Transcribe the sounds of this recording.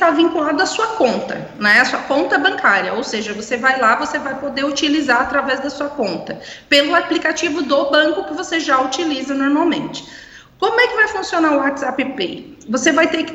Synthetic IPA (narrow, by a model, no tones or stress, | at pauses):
t̪avĩŋkulad̪ʊɐsuɐkõnt̪ɐ̰ | ñɛɐsuɐkõnt̪ɐbɐ̃ŋkʰaɾiɐowseʒɐvosevajlavosevajpod̪eut͡ʃilizaɾat̪ɾavɛzd̪ɐsuɐkõnt̪ɐpelʊaplikat͡ʃivʊd̪obɐ̃kʊkɪvoseʒaut͡ʃilizɐnoɾmawmḛ̃nt͡ʃɪ̥ | kõmʊɛkɪvajfũsionaɾʊwat͡ʃ̪z̥apɪpḛj | vosevajt̪ekɪ